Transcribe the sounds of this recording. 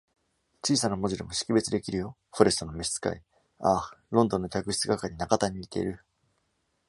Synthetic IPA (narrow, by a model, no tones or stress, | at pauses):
t͡ɕiːsanamo̞ʑiɾɯmo̞ɕi̥kʲibe̞t͡sɨd̪e̞kʲiɾɯjo̞ | ho̞ɾe̞st̪o̞no̞meɕi̥t͡sɨ̥ka̰i | aɾõ̞nd̪o̞nːo̞kʲakɯ̟ɕi̥t͡sɨɡakaɲʲinakat̪aɲ̟iit̪e̞̰iɾɯ̟